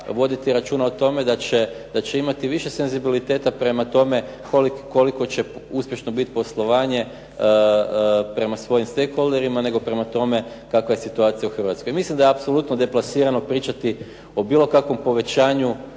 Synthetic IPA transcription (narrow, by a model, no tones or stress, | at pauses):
ʋo̞d̪it̪iɾat͡ʃuːnaot̪o̞me̞d̪at͡ɕe̞d̪at͡ɕe̞imat̪iʋiʃe̞se̞nzibilit̪e̞ːt̪apɾe̞mat̪o̞me̞ | koliko̞liko̞t͡ɕe̞uspje̞ʃnobit̪i̥po̞slˠo̞ʋaːɲe̞ | pɾe̞masʋo̞jimst̪ejxo̞leɾimane̞ɡo̞pɾe̞mat̪o̞me̞ | kakʋajesit̪uaːt̪sijauxr̩ʋat̪skojmislimd̪ajeapso̞lˠut̪nod̪e̞plˠasiːɾano̞pɾiːt͡ʃat̪i | o̞biːlˠo̞kakʋo̞mpo̞ʋe̞t͡ɕaːɲu